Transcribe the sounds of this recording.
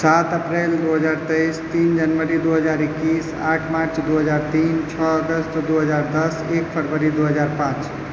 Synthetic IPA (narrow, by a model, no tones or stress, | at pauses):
sat̪əpɾeld̪uɦəd͡ʒaɾt̪ejst̪ind͡ʒənʋəɾid̪uɦəd͡ʒaɾikːis | a̰ʈʰmaɾt͡ʃd̪uɦəd͡ʒaɾt̪int͡ʃʰɔəɡəst̪d̪uɦəd͡ʒaɾd̪əsek̚pʰəɾʋəɾid̪uɦəd͡ʒaɾpãt͡ʃ